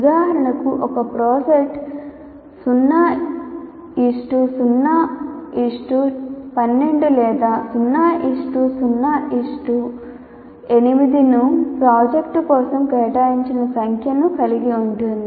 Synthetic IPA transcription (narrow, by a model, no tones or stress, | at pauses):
d̪aːɾɐɳɐkuʔɔkɐpɾoːseʈ | sunːaː | isʈusunːaːiʂʈupɐnːe̞ɳɖulɛːd̪aːsunːaːʔiʂʈusunːaːʔiʂʈu | e̞nimid̪inupɾaːd͡ʒekʈukɔːsɐmkɛːʈaːjiɲt͡ʃinɐsɐŋkʰjɐnukɐliɡiuɳʈund̪i